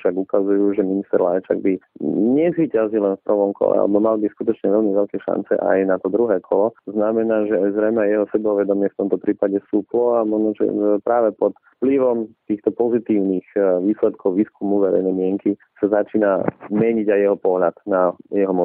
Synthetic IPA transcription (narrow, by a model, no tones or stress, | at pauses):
ʃaɡukazujuːʒɛminist̪ɛɾlajt͡ʃa̰ɡ̚biɲɛzʋiːcazilɛnfpr̩ʋɔmkʰɔ̰lɛ̰a̰lʔɛ̰bɔmalbiskut̪ɔt͡ʃɲɛʋɛʎmiʋɛʎkɛʃa̰nt͡sɛ̰ʔa̰jnat̪ɔd̪ɾuɦɛːkʰɔlɔznamɛnaːʒɛajzɾɛjmɛajɛɦɔsɛbɛɔʋɛd̪ɔmɪɛft̪ɔmt̪ɔpɾiːpaɟɛsuːplɔamɔʒnɔʒɛ̰pɾaːʋɛpɔt̪fpliʋɔmt̪iːxt̪ɔpɔzit̪iːʊniːxʋiːslɛt̪̚kʰɔʊʋiːskumuʋɛɾɛ̰jnɛjmɪɛŋki | sazat͡ʃiːnamɛɲiɟajjɛɦɔpɔɦʎad̪najɛɦɔmɔ